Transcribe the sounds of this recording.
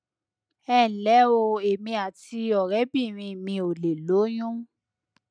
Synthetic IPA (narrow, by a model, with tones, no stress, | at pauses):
ɛ˦˨lɛ˨˦o˧e˨mĩ˧a˨ti˧ɔ˨ɾɛ˨˦bĩ˦˨ɾ̃ĩ˧˨mĩ˧o˨le˨lo˨˦j̃ũ˦